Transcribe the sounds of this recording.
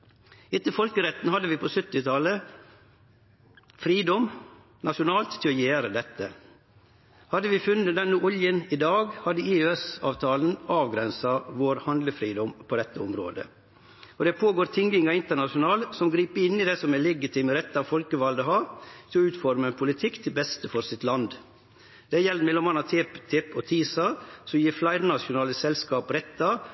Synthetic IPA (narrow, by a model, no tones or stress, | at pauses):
ɪt̪ːəfɔlkəɾɛt̪nhɑd̪ːəʋɪːpʰɔsœt̪ːɪt̪ʰɑlə | fɾiːd̪ɔm | nɑʂʊnɑːlt̪ʰːɪlɔjæːɾəd̪ɛt̪ːə | hɑd̪ːəʋɪfʉnːəd̪ɛnːəʔʊljənɪd̪ɑːɡhɑd̪əɪːøɛsɑ̰ːʋt̪ʰɑːln̩ɑːʋɡɾɛnsɑʋoːɾhɑnd̪ləfɾiːd̪ɔmpʰɔd̪ɛt̪ːəɔmɾo̰ːd̪ə̰ | ɔd̪ɛpʰoːɡoːɾt̪ʰɪŋɡɪŋɑɪnt̪əɳɑʂʊnɑːlsɔmɡɾiːpəɪnːɪd̪ɛsɔmɛlɛɡɪt̪ʰɪːməɾɛt̪ːɑɑʋfɔlkəʋɑld̪əɦɑːt̪ʰɪɔʉːt̪fɔɾməɛnpʰʊlɪt̪ʰɪkːt̪ʰɪlbɛst̪əfɔɾsɪt̪lɑnd̪ | d̪̥ɛæɾjɛlmɛlːɔmɑnɑt̪ʰɛpt̪ʰɪpɔt̪ʰiːsɑsɔmjiːɾflɑɪɾnɑʃʊnɑːləsɛlskɑːpɾɛt̪ːɑ